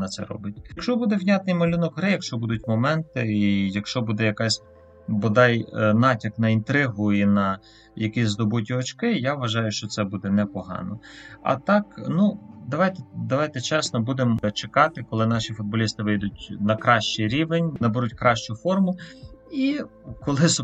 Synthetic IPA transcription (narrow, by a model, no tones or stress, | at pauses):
nɐt̪sɛ̰ɾɔ̰bɪtʲjɐkʃt͡ʃɔbud̪ɛwnʲat̪̚nɪjmɔlʲunɔkɦɾɪjɐkʃt͡ʃɔbud̪ʊtʲmɔmɛnt̪ɪijɐkʃt͡ʃɔbud̪ɛjɐkasʲ | bɔd̪ɑjnɑtʲɐknɐint̪ɾɪɦʊinɐ | jɐkijʲzd̪ɔbutʲiɔt͡ʃkɪjaʋʋɐʒɑjʊʃt͡ʃɔt̪sɛbud̪ɛnɛpɔɦɑ̰nɔɐ̰t̪ɑknud̪ɐʋɑjt̪ɛd̪ɐʋɑjt̪ɛt͡ʃɛsnɔbud̪emt͡ʃekɑt̪ɪkɔlˠɪnɑʃifʊd̪̚bɔlʲist̪ɪʋɪjd̪ʊtʲnɐkɾɑʃt͡ʃiɾʲiʋenʲnɐbeɾutʲkɾɑʃt͡ʃʊfɔrmʊikɔlˠɪs